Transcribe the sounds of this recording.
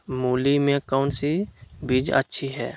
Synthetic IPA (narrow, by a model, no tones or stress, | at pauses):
muːlimẽkɔːnsibid͡ʒə̰tːʃʰiɦɛ̰ː